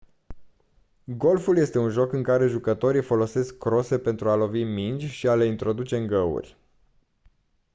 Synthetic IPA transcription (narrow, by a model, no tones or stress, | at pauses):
ɡo̞lfulje̞st̪e̞unʒo̞kɨŋkaɾe̞ʒukət̪o̞ɾifo̞lo̞se̞skːɾo̞se̞pe̞nt̪ɾualo̞vimind͡ʒʲʃiale̞int̪ɾo̞d̪ut͡ʃe̞ɨŋɡəṵrʲ